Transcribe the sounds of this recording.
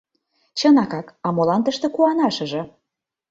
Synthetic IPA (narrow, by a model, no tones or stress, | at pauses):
t͡ɕɤnɑkɑkɑmolɑnt̪əʃt̪ĕkuɑnɑʃɤ̆ʒɤ̆